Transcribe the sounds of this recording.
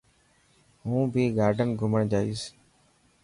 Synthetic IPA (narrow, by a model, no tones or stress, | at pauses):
ɦũːbʱiːɡaːɾɖʱənɡʱʊməɳd͡ʒaːiːs